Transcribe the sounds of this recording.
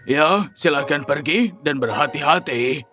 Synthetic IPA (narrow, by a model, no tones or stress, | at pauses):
jasilahkanpərɡidanbərɦat̪iɦat̪i